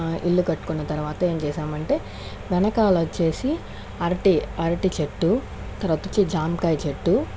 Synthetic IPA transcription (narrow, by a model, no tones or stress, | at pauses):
ilːukɐʈːu̥kunːɐt̪ɐɾuʋaːt̪ɐe̞ːmt͡ʃɛːʃaːmɐɳʈe̞ː | ʋɛnɐkaːlɐt͡ʃːe̞ːsi | ɐɾʈiɐɾɐʈit͡ʃeʈːu | t̪ɐɾɐt̪u̥t͡ʃid͡ʒaːmkɐjt͡ʃeʈːu